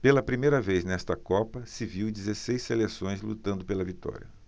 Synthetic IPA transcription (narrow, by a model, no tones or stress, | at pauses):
pelɐpɾimejɾɐvejznɛst̪ɐkɔpɐsɪviwd͡ʒizesejsːelesõj̃zlṵt̪ɐ̃nd̪ʊpelɐvit̪ɔ̰ɾʲiɐ